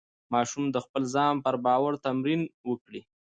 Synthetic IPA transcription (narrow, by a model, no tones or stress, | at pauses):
mɑʃumd̪əxpəlzɑmpəɾbɑwaɾt̪amɾinwəkɽi